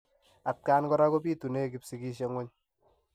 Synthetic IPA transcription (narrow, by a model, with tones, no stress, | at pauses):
a˨t̚kaː˦nkɔ˦ɾa˦ko˦piː˦tu˨ne˦k̬i˨˦psi˨kiː˦ʃe˦ŋwo˦ɲ